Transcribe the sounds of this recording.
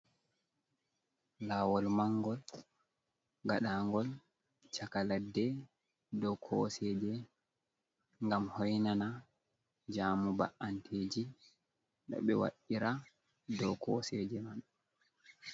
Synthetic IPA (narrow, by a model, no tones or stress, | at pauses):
laːwɔlmaŋɡɔl | ɡaɗaːŋɡɔl | t͡ʃakaladːɛ | dɔkʰɔ̰sɛd͡ʒɛ | ŋɡamhɔjnana | d͡ʒaːmuba̰ʔantʰeːd͡ʒi | ɗɔ̰ɓɛwa̰ɗiɾa | dɔkʰɔsɛd͡ʒɛman